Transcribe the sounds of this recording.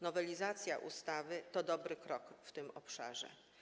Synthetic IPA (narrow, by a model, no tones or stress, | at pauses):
nɔvɛlʲizat̪sʲjaʔṵst̪avɘt̪ɔd̪ɔbɾɘkɾɔkft̪ɘmɔpʂa̰ʐɛ̰